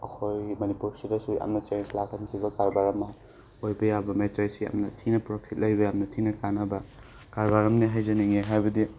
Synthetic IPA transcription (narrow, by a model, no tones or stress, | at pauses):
ɐkʰojmɐnipuɾsidɐsuɐ̰mnɐt͡ʃenslakʰɐnkʰibɐkaɾbaɾɐmɐ | ojbɐjabɐmetɾasiɐ̰mnɐtʰinɐpɾopʰit̚lɐjbɐamnɐtʰinɐkanɐbɐ | kaɾbaɾɐmniɦajzɐniŋeɦajbɐdi